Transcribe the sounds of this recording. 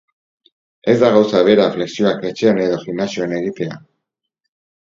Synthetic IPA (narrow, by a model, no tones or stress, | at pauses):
e̞zd̪aɣawsaβe̞ɾafle̞ksio̞ake̞t͡ʃe̞ane̞ðo̞ʝiɣnasio̞ane̞ɣit̪e̞a̰